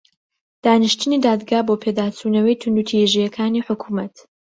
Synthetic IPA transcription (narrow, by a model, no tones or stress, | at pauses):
d̪̥aːnɨʃt̪ʰɨniːd̪aːd̪ɡaːboːpʰeːd̪aːt͡sʰuːnɐwɐjt̪ʰund̪ut̪ʰijʒijɐkʰaːniːħʊkʰuːmɐt̪